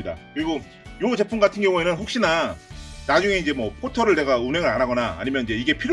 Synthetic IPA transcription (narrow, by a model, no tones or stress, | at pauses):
ida̰kɯɾiɡo | jod͡ʑe̞pʰumɡatʰɯnɡjʌŋue̞nɯnɸok̚ɕ͈ina | nad͡ʑuŋe̞id͡ʑe̞mwʌpʰotʰʌɾɯɭte̞ɡaunɦe̞ŋɯɾanɦaɡʌna̰ːɲimjʌnid͡ʑe̞iɡe̞pʰiɾ